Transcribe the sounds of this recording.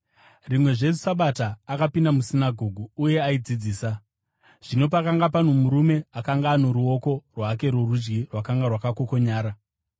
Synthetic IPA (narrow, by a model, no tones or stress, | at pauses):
rimwe̞ʐe̞s̬u̥saɓataːkapindamusinaɡʱo̞ɡʱuːje̞aid͡zid͡ziːsa | ʐ̥ino̞pakaŋɡap̬an̤omuɾume̞akaŋɡaːno̞ɾuo̞ko̞rwake̞ɾorud͡ʒɡirwakaŋɡarwakakoko̞ɲaːɾa